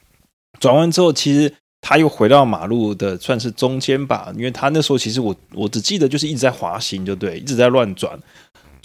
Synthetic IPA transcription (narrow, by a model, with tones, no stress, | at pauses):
t͡swa˨˩nwa˥nʈ͡ʂɻ̩˥xo˥˩ʊt͡ɕʰi˧˥ʂɻ̩˧˥ | t̪ʰa˥jo˥˩ʊxwe˧˥ɪt̪ɑ˥˩ʊma̰˨˩lu˥˩d̪ə˩swa˥˧nʂ̬̩˥˩ʈ͡ʂʊ˥ŋt͡ɕjɛ˥nba̰˨i˥nwe˥˩ɪt̪ʰa˥nə˥˩ə˩ʂ̩˧˥o˥˧ʊt͡ɕʰi˧ʂɻ̩˧wɔ˨˧˥wɔ˧˥ʈ͡ʂɻ̩˨˩t͡ɕi˥˩d̪ə˩t͡ɕjʂ̩˥˧i˥˩ʈ͡ʂɻ̩˧˥t͡sa˥˩ɪxwa̰˧˥ɕi˧˥ŋt͡ɕjo˥˧t̪we˥˩ɪʔi˥˩ʈ͡ʂ̩˧˥t͡slwa˥˧˩nʈ͡ʂwa̰˨˩˦n